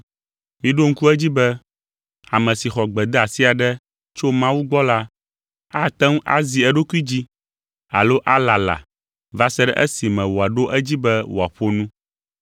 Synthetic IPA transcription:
mĩ˦ɖo˦ŋ̩˦ku˦ɛ˦d͡ʑi˦bɛ˦ | a˨mɛ̃˨si˨xɔ˨ɡ͡bɛ˨d̪ɛ˦a˨si˦a˨ɖɛ˦ | t͡ʃo˦mã˦wu˦ɡ͡bɔ˦la˦ | a˦t̪ɛ˦ŋ˦ʔa̰˦zi˨ɛ˦ɖo˦ki˦d͡ʑi˦ | a̰˨lo˦ʔa˦la˨la̰˨ | va˦sɛ˦ɖɛ̰˦ʔɛ̰˦si˨mɛ̃˨wo˨a˨ɖo˦ʔɛ˦d͡ʑi˦bɛ˦wo˨a˨ɸo˦nũ˦

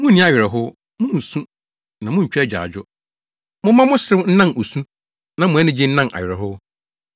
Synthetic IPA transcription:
mʊ̃˦ĩ˦a˦ɥɪ˨ɾɛ˨ɦʊ˦ | mʊ̃˦n̩˨sũ˦ | nã˨mʊ̃˦ɲ̩˨t͡ɕᶣɛ˦˨d͡ʑᶣa̰ː˨d͡ʑᶣʊ˦ | mʊ̃˦mã˦mʊ̃˦sɪ˦ɾɪ˦wn̩˦nã˦˨no˨sũ˦ | nã˨mʊ̃˨ɛ˦nɪ̃˦d͡ʑɪ˦n̩˦nã˦na̰˨ɥɪ˨ɾɛ˨ɦʊ˦

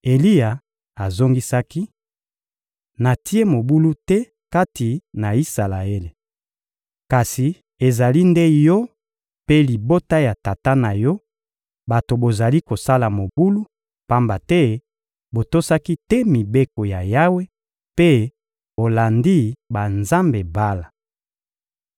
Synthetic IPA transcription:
e˨li˦ja˨ | a˨zo˦ŋɡi˦sa˦ki˦ | na˨ti˦e˦mo˨bu˦lu˦tɛ˦ | ka˦ti˨na˨i˦sa˨la˨e˦le˨ | ka˨si˨ | e˨za˨li˦nde˦jɔ˦ | pe˦li˨bo˦ta˦ja˨ta˨ta˦na˨jɔ˦ | ba˨to˨bo˨za˨li˦ko˨sa˦la˨mo˨bu˦lu˦ | pa˦mba˨tɛ˦ | bo˨to˦sa˦ki˦tɛ˦mi˨be˦ko˨ja˨ja˦we˦ | pe˦ | bo˨la˨ndi˦ba˨nza˦mbe˨ba˦la˨

